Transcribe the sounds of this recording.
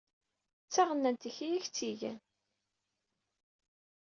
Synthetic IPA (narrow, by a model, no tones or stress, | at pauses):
t͡sːaʁənːænt̪içijæçt͡sːiʝæ̰n